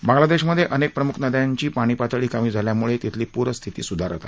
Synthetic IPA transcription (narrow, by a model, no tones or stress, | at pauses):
bãŋɡlad̪eɕməd̪ʱːjeʔənek̚pɾəmukʰnəd̪jaɲt͡ɕiːpaɽ̃iːpat͡s̪ʰəɭiːkamiːd͡zʱaljamuɭet̪it̪ʰliːpuɾəst̪ʰit̪ḭːsud̪ʱaɾot̪a̰